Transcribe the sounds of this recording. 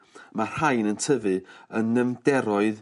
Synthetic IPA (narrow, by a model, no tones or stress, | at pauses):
marhajnəntʰəvɨənːəmdɛɾɔɨð